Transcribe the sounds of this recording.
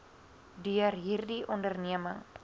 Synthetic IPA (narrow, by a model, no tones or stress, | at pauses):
diarɦirdiʔondərniama